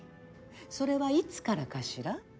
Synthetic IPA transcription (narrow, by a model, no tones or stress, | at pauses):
so̞ɾe̞βait͡sɨ̥kaɾakaɕiɾa